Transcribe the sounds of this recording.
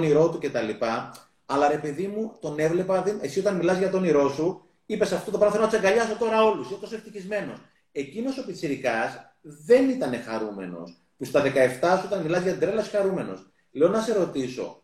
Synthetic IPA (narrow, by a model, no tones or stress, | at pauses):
niɾo̞t̪uce̞t̪ɐlipɐ | ɐlɐɾe̞peðimut̪o̞ne̞vle̞pɐðie̞sio̞t̪ɐnmilɐzʝɐt̪o̞niɾo̞su | ipe̞sɐft̪ot̪opɾɐmθelonɐt̪seŋɡɐʎɐso̞t̪o̞ɾɐo̞lusinet̪osoeft̪içizme̞no̞s | e̞cino̞so̞pit͡siɾikɐs | ðe̞nit̪ɐne̞xɐɾume̞̰no̞̰s | pust̪ɐðe̞kɐe̞ft̪ɐsuo̞t̪ɐnmilɐzʝɐt̪id̪ɾelɐsi̥xɐɾume̞no̞̰s | leonɐse̞ɾo̞t̪iso̞̰